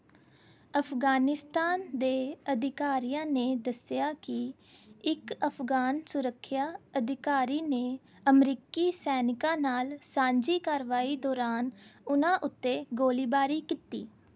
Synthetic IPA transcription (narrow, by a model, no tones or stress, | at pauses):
əpʰɡaːnɪst̪aːnd̪eːəd̪ɪkaːɾijãːneːd̪əsɪjaːkɪ | ɪkəpʰɡaːnsʊɾəkʰːjaːəd̪ɪkaːɾiːneː | əmɾiːkiːsɛːnɪkãːnaːlsãːɲd͡ʒiːkaːɾʋaːiːd̪ɔːɾaːnʊnãːʔʊt̪ːeːɡoːliːbaːɾiːkiːt̪ḭː